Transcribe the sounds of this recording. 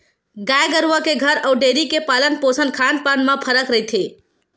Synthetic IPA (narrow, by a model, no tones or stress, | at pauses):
ɡajɡəɾuʋəkeɡʱəɾaɖeɾikepalənposənkʰanpanmapʰəɾəkɾəɦt̪ʰe